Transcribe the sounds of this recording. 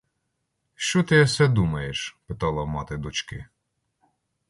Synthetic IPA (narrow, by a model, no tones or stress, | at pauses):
ʃt͡ʃɔt̪ɪɐsɛd̪umɐjeʃpɪt̪ɑlˠɐmɑt̪ɪd̪ɔt͡ʃkɪ